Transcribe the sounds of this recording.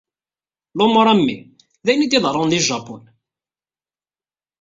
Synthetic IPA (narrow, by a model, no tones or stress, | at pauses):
lomoɾˤæmːḭ | ðæjnid̪iðˤɾˤʊnðiʒːɑpʊn